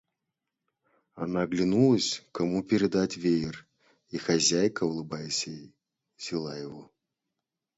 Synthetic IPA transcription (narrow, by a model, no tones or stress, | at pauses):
ɐ̰naɡlʲinulˠəsʲkamupʲɪɾʲɪd̪atʲvʲejɪr | ixɐzʲajkəʊlˠɨbajɪsʲej | zʲɪlˠajɪvɔ